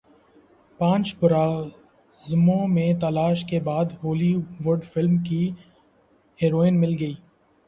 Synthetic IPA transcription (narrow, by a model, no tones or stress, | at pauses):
pãːt͡ʃbʊɾaː | zmõmẽt̪əlaːʃkebaːd̪ɦoːliʋʊɾɖfɪlmki | hɛːɾoːɪnmɪlɡəiː